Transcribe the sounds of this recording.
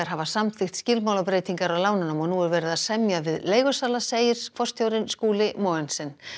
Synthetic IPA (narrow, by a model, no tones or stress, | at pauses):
aɾɦavasamθʰɪxt̪scɪlmaːwlapɾeːjt̪iŋkaɾawlaːwnʏnamɔnuɛɾvɛːɾɪðaðsɛmjavɪðleːjɣɔsaːlaseːjɪɾ̥fɔr̥st̪ʰjowɾɪnskuːlɪmɔːɛnsɪn